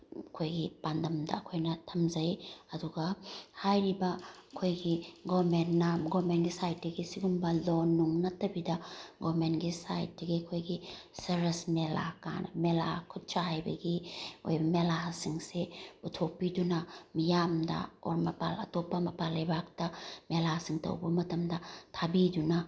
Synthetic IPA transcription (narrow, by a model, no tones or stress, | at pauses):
ɐkʰojɡipandɐmdɐ̰ːkʰojnɐtʰɐmzɐjɐduɡɐhajɾibɐːkʰojɡiɡomentːamɡomenɡisajt̚dɐɡisiɡumbɐlonːuŋnɐtɐbidɐɡomenɡisa̰jt̚dɐɡiɐkʰojɡisɐɾɐsmela̰ka̰nmelakʰut̚t͡ʃaɦajbɐ̰ɡio̰jbɐmelasiŋsebutʰok̚pːidunɐmijamdɐ̰o̰ɾmɐpa̰lɐ̰topːɐmɐpalɐjbak̚tɐmelasiŋtɐ̰wbɐmɐtɐmdɐtʰabidunɐ